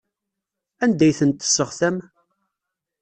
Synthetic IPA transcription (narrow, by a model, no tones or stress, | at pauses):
ænd̪æjθənt̪ːə̥sːəʁθæm